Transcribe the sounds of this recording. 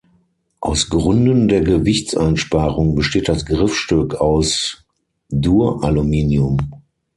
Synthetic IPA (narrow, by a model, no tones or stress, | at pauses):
ʔaʊsɡʁʏndəndeːɐɡəvɪçtt͡sʔaɪnʃpaːʁʊŋbəʃteːt̚d̥asɡʁɪfʃtʏkʰaʊs | duːɐʔalumiːnjʊm